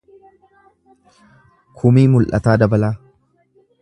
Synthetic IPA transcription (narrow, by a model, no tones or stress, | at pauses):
kʰʊmiːmʊlʔɐ̰t̪aːd̪ɐbɐlaː